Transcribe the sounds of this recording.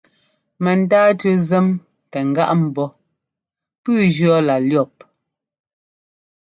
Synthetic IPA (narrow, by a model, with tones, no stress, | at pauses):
mɛ˨n̩˨taː˦tʉ˦zɛ˦m | tɛ˨ŋ˨ɡa̰˦ʔm̩˨bɔ˦ | pʉː˦d͡ʒɰɔ˦la˨ljɔ˦˨p̚